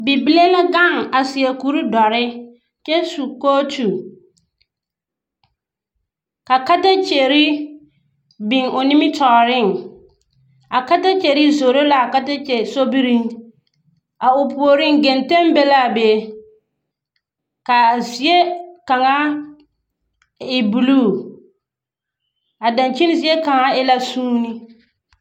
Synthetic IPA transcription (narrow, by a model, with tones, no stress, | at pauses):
bi˨bi˦le˦la˦ɡa˦˨ŋa˨si˨ɛ˨ku˨˦ɾu˦dɔ˨ɾɪ˦ | t͡ʃɛ˦su˨koː˦tu˨ | ka˨ka˦ta˦t͡ʃe˨ɾɪ˦ | bɪ˨ŋo˨ni˦mɪ˦tɔ˨ɾɪ˦˨ŋ | a˨ka˦ta˦t͡ʃɛ˨ɾɪ˦zo˨ɾo˦la˦˨ka˦ta˦t͡ʃɛ˨so˦bi˦ɾi˦ | a˨ʊ˨pu˨o˨ɾɪ˦ŋɡɛ˨nte˦mbɛ˦la˦˨be˨ | ka˨zi˨˦e˦ka˨ŋa˦ | ɪ˨bu˨lu˦˨ | a˨da˨nt͡ʃi˦n˦zi˦e˦ka˨ŋa˦ɛ˦la˦suː˦ni˦